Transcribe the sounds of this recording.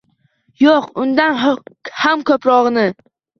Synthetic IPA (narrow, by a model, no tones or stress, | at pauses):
joqʊnd̪anhamkʰʲɵpɾɒʁnɪ